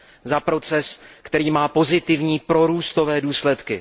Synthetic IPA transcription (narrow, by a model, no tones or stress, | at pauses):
zapɾo̞t͡sɛskt̪ɛɾiːmaːpo̞zɪt̪ɪvɲiːpɾo̞ɾuːst̪o̞vɛːduːslɛt̪kɪ